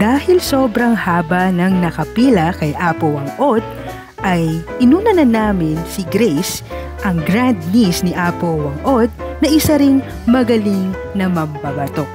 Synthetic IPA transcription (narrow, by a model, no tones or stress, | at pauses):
d̪̥aːhɪlso̞ːbɾɐŋhaːbɐnɐŋnɐkɐpiːlɐkɐjʔaːpowɐŋʔod̪̚ | ʔɐjʔɪnuːnɐnɐnaːmɪnsiɡɾɛjs | ʔɐŋɡɾand̪̚nisniʔaːpowɐŋʔod̪̚nɐʔɪsɐɾɪŋ | mɐɡɐlɪŋ | nɐmɐmbɐbɐt̪oʔ